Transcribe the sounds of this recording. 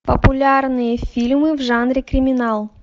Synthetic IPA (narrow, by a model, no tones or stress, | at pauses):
pəpʊlʲarnɨjəfʲilʲmɨvʐanɾʲɪkɾʲɪmʲɪnalˠ